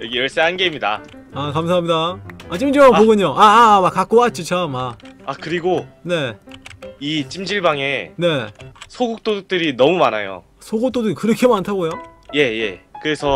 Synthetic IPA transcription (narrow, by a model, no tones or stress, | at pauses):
jʌɡijʌɭs͈eɦanɡeimɲida̰ | akams̬ʰaɦamɲidaat͡ɕ͈imd͡ʑiɭbaŋpoɡɯɲoʔaːmakak͈oat͡ɕ͈it͡ɕʰamaakɯɾiɡone̞ | it͡ɕ͈imd͡ʑiɭbaŋe̞ne̞sʰoɡuk̚t͈oduk̚t͈ɯɾinʌmumanajo̰ | sʰoɡot͈odɯɾikɯɾʌkʰe̞mantʰaɡojoje̞jḛkɯɾe̞sʰʌ